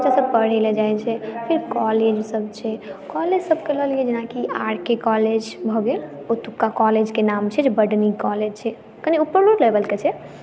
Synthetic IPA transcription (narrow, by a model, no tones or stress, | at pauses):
t͡ʃasəb̚pəɽ̤eled͡ʒajt͡ʃʰɛpʰiɾkɔled͡ʒsəb̚t͡ʃʰɛkɔled͡ʒsəbkeləɦlied͡ʒenakia̰ɽkekɔled͡ʒbʱɔɡel | ot̪ukːakɔled͡ʒkenamt͡ʃʰɛd͡ʒebəɖnikɔled͡ʒt͡ʃʰɛ | kəniupːəɾloɖlebəlket͡ʃʰɛ